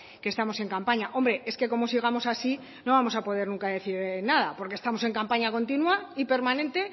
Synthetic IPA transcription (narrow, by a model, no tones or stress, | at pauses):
kest̪amo̞se̞ŋkampaɲaʔo̞mbɾe̞ʔe̞ske̞ko̞mo̞siɣ̞amo̞sasi | no̞βamo̞sapo̞ð̞e̞ɾnũŋkaðe̞θiɾnaðapo̞ɾkest̪amose̞ŋkampaɲako̞nt̪̬inwaipe̞ɾmanẽ̞nt̪e̞